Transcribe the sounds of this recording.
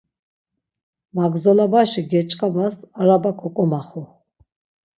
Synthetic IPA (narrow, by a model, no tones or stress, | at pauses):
maɡzɔlabaʃiɡɛt͡ʃʼqʼabasaɾabakʰɔkʼɔmaχɔ